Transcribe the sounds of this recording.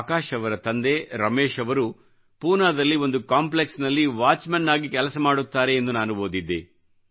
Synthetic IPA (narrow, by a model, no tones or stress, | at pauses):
kaːʃɐʋɐɾɐt̪ɐnd̪e̞ɾɐmeːʃɐʋɐɾu | puːnaːd̪ɐlːio̞nd̪ukaːmpleksnɐlːiʋaːt͡ʃmɐnːaːɡikɛlɐsɐmaːɽut̪ːaːɾe̞ːnd̪unaːnuɦoːd̪id̪ːḛ